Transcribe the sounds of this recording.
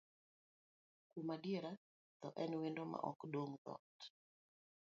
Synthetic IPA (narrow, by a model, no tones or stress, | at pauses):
kumadieɾa | t̪ɔʔɛnwendoma̰ʔɔkdoŋðɔ̰t